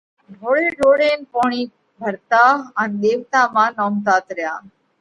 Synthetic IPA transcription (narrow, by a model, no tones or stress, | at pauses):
bʱoːɭeɖoːɽeːnpoːɳ̃iː | bʱəɾt̪aənd̪eːʋt̪amãːnɔːmt̪aːt̪ɾəja̰ː